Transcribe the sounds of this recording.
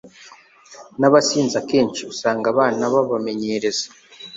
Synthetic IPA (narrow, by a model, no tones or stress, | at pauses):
naβasiːnzakeːnt͡ʃisaːŋɡaβaːnaβaβame̞ɲeɾe̞zḁ